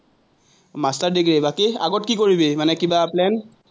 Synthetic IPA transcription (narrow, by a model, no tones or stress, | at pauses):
mastaɹdikɹebakia̰ɡɔt̚kikoɹibemanɛkibaplɛn